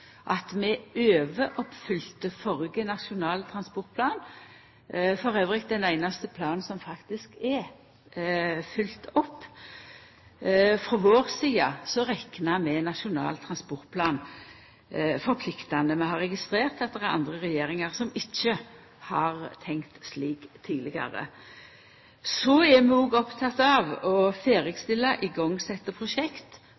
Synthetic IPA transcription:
ʔɑt̪mɛʔøːʋəʔɔpfʏlt̪əfɔʁɡənɑʂʊnɑːlt̪ʰɾɑnspɔʁt̪̚pʰlɑːn | fɔɾøːʋʁɪkd̪ɛnæɪnɑst̪əpʰlɑːnsɔmfɑkt̪ɪskɛ | fʏlt̪ɔpː | fɾɔʋoːʁsiːɑsɔɾɛknɑmɛnɑʃʊnɑ̰ːlt̪ʰɾɑnspɔʁt̪̚pʰlɑːn | fɔɾpʰlɪkt̪ɑnəmɛhɑɾɛɡɪst̪ɾeːʁt̪ɑt̪̚d̪ɛʁɛɾɑ̰nd̪ʁəʁɛjeːɾɪŋɑɾsɔmɪçːə | hɑɾt̪ʰɛŋkt̪sliːkt̪ʰːiːlɪɡɑ̰ɾə̰ | sɔɛmɛoːɡɔpt̪ʰɑt̪ːɑʋɔfeːɾəɡst̪ɪlːɑʔɪɡɔŋːsɛt̪ːəpʰɾʊʃɛkt̪

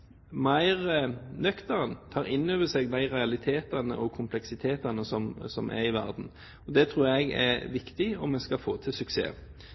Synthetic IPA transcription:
mɑɪʁnœkt̪əʁənt̪ʰɑːɾɪnːøːʋəsɛɡd̪æɪʁɛɑlɪt̪ʰeːt̪ɑnə̰ʔɔkʰʊmpʰlɛksɪt̪ʰeːt̪ɑnəsɔmsɔ̰mʔæ̰ɾɪʋæʁd̪n̩ | ɔd̪ɛt̪ʰɾuːɾɛɡæ̰ʋɪkt̪ɪɔmːɛnskɑfoːt̪ʰɪsʉksḛː

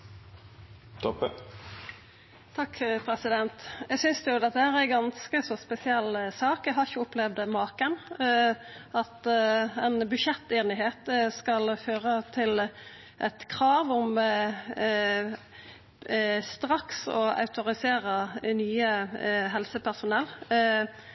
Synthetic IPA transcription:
t̪ʰɔpːə | t̪ʰɑkːpʰɾɛsɪd̪ɛnt̪jɛɡsʏnsd̪ɛjʊd̪ɛt̪d̪æhæːɾæɡɑnskəsɔspɛsɪɛlːsɑːkɛɦɑɾɪçəʊplɛʋd̪mɑːkən | ɑt̪ɛnbʉʃɛt̪ːeːnɪɦeːt̪skɑlføːʁət̪ʰɪl | ʔɛt̪kʰɾɑːʋɔm | st̪ɾɑksɔɑ̰ʉt̪ʊɾɪseːɾənyːəɦɛlsəpʰæʁsʊnɛlː

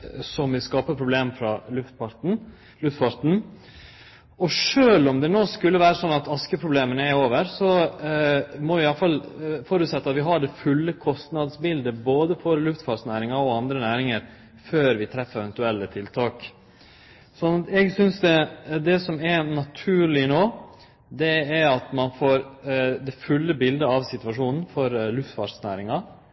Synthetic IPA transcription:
sɔmʋɪskɑːpəpʰɾʊbleːmfɾɑlʉft̪pɑ | lʉft̪fɑɾt̪n̩ | ɔʂøːlɔmd̪ɛnoːskʉlːəʋæːɾəsɔnːɑt̪ɑskəpʰɾʊbleːmənəæɾoːʋəɾsɔ | mɔʋɪɑləfɑlfɔɾʉːt̪sɛt̪ːɑt̪ʋɪɦɑɖɛfʉlːəkʰɔst̪nɑd̪sbɪld̪əboːd̪əfɔɾlʉft̪fɑːʈsnæːɾɪŋɑɾɔɑnd̪ɾənæːɾɪŋəɾ | føːɾʋɪt̪ʰɾɛfəɾɛʋɛnt̪ʉɛlːət̪ʰɪlt̪ʰɑːk | sɔnːɑt̪ɛɡsʏnsd̪ɛd̪ɛsɔmɛɾnɑt̪ʰʉːɭɪnoː | d̪ɛæɾɑt̪mɑnfoːɾd̪ɛfʉlːəbɪld̪əɑʋsɪt̪ʉʋɑʂuːnn̩fɔɾlʉft̪fɑ̰snæ̰ːɾɪŋɑ

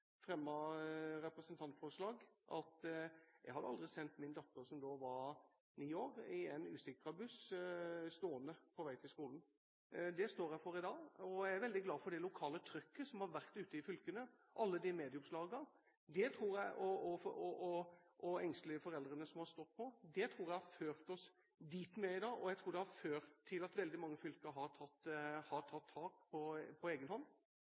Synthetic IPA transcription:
fɾɛmːɑɾɛpɾəsənt̪ʰɑnt̪fɔɾəʂlɑːɡʔɑ̰t̪jæ̰ɪhɑd̪əɑld̪ʁɪsɛnt̪mɪnd̪ɑt̪ːəɾsɔmd̪oːʋɑɾ | niːoːɾɪɛɪnʉːsɪkɾɑbʉs | st̪oːənəpʰɔʋæɪt̪ʰɪlskuːln̩ | d̪ɛst̪oːɾæfɔɾɪd̪ɑːɔæɪæɾʋɛld̪ɪɡlɑːfɔɖɛlʊkʰɑːlət̪ʰɾʏkːəsɔmhɑɾʋæʁt̪ʉːt̪əɪfʏlkənə | ʔɑlːəd̪ɪmeːd̪ɪʊmslɑːɡəɾ | d̪ɛt̪ʰɾuːɾjæɪʔɔɔɔɔʔɔɛŋst̪lɪfɔɾɛld̪ɾənəsɔmhɑɾst̪ɔt̪ːpʰɔd̪ɛt̪ʰɾuːɾjæɪhɑɾføːɾt̪ɔs | d̪iːt̪mɛɪd̪ɑːʔɔjæɪt̪ʰɾuːɾd̪ɛhɑɾføːɾt̪ʰːɪlɑt̪ʋɛld̪ɪmɑŋːəfʏlkəɦɑɾt̪ʰɑt̪ːhɑʈ̪ʰɑt̪ʰːɑːkpʰɔpʰɔeːɡənhɔnː

